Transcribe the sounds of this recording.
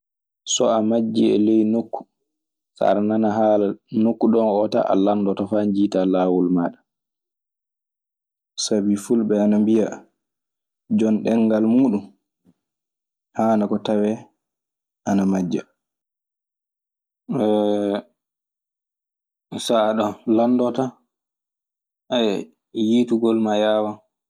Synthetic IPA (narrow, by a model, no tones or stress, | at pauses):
sɔamad͡ʒːiɛ̰lejnokːu̥ | sa̰ɾananaɦalanokːuɗɔnɔta̰ʔa̰landɔtɔfaɲd͡ʒiːtalaːwulmaːɗa | sabifulbɛanambija | d͡ʒɔnɗɛŋɡalmuːɗum | haːnakɔtawɛ | ʔanamad͡ʒːa̰ | saːɗɔlandɔta | a | jituɡɔlmajaːwa